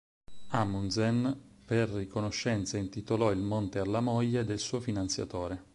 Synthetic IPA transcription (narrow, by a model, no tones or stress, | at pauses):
amunzenperːikonoʃːɛnt̪saint̪it̪olɔilmont̪ealːamoʎːed̪elsuːofinant̪sja̰t̪oːɾe